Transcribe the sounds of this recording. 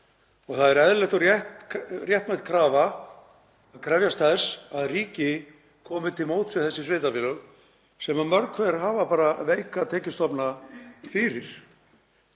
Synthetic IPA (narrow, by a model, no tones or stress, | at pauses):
ɔɣθaðɛɾɛðlɛht̪arjɛht̪rjɛht̪mɛt̪kʰɾaːva | aðkʰɾɛvjast̪θɛsaðriːcɪ | kʰɔːmɪt̪ʰɪlmowt̪sɪθɛsːɪsvejt̪afɪlʏɣ | sɛmamœɾkʰvɛɾ̥ɦaːvapaːɾaveːjkat̪ʰɛːcɪst̪ɔpnafɪɾɪɾ̥